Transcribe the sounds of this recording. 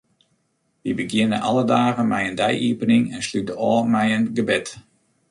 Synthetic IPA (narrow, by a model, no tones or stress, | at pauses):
ʋibəɡjɪnə̰nʔɑlədaːɣənmɛjəndɛjʔiəpənɪŋɛnslytəɔːmɛjənɡəbɪt